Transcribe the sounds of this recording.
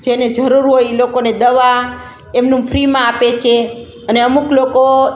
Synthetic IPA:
d͡ʒened͡ʒəɾuɾɦojilokoned̪əʋa | emnũpʰɾimãapet͡ʃʰe | əneəmukloko

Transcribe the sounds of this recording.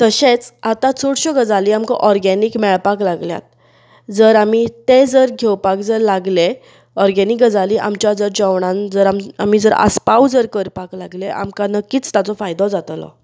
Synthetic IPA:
t̪əɕet͡sat̪ãt͡sʰuɽɕɔɡəd͡zaliamka̰ʔɔɾɡɛnikmɛɭpaklaɡlja̰t̪̚ | d͡zəɾamit̪ed͡zəɾɡʱewpak̚d͡zəɾlaɡle | ɔɾɡɛnikɡəd͡zaliʔa̰mt͡ɕjad͡zəɾd͡ʑəwɳ̃ãnd͡zəɾamamid͡zəɾa̰spawd͡zəɾkəɾpaklaɡleʔa̰mkanəkːiːt͡st̪jat͡sɔfajd̪ɔd͡zat̪lɔ̰

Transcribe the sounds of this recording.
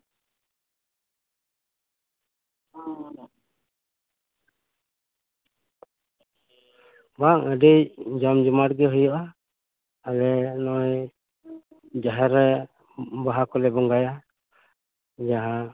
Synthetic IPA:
baŋəɖijd͡ʒɔmd͡ʒɔmaʈɡɛɦɔjɔʔaː | lɛnɔj | d͡ʒaɦɛɾɛ | baɦakɔlɛbɔŋɡaja | d͡ʒaɦã

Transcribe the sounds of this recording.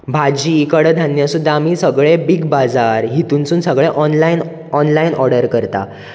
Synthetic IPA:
bʱad͡ʑikəɽd̪ʱanjasud̪ʱːaːmiːsəɡɭebiɡbad͡zaɾɦit̪uːnt͡suːnsəɡɭeʔɔnlain | ɔnlainɔɾɽəɾkəɾt̪a̰

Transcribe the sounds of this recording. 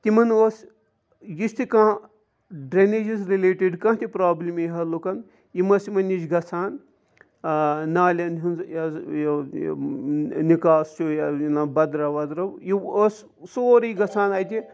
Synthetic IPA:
t̪imɐnos | jist̪ikã | ɖɾened͡ʒisɾileːʈiɖkãːɦt̪ʲipɾaːblʲimeɦɐlukɐn | jimɐsimɐnit͡ʃɡɐt͡sʰaːn | naːlʲɐnɦunzja | nikaːst͡ʃʰujainabɐd̪ɾɐʋɐd̪ɾɐwjios | soːɾijɡɐt͡sʰaːnɐːjt̪ʲi

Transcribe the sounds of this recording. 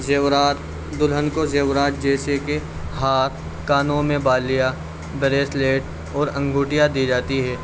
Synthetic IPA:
ɾa | d̪ʊlɦənkozeːwɾaːʈ̪̚d͡ʒɛːseke | ɦaːt̪̚ʰ | kaːnõmẽbaːlija | bɾeːsleːʈ | ɔːɾɐ̃ŋɡʱuːʈijad̪id͡ʒaːt̪iɦɛː

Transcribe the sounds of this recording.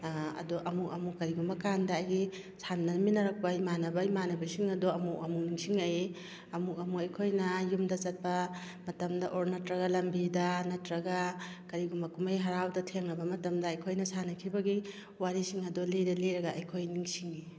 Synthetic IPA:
ɐ̰dɔʔɐmuk̚ɐmukːɐɾiɡumbɐkandɐːjɡi | samnɐminɐɾɐk̚pɐimanɐbɐimanɐbɐsiŋɐdoɐmuk̚ɐmuk̚niŋsiŋɐj | ɐmuk̚ɐmuɐjkʰojnɐjumdɐt͡ʃɐt̚pɐ | mɐtɐmdɐʔoɾnɐtɾɐɣɐlɐmbidɐnɐtɾɐɡɐkɐɾiɡumbɐkumajɦɐɾawdɐtʰeŋnɐbɐmɐtɐmdɐːjkʰojnɐsanɐkʰibɐɡi | waɾisiŋɐdɔlidɐliɾɐɡaɐjkʰojniŋsiŋi

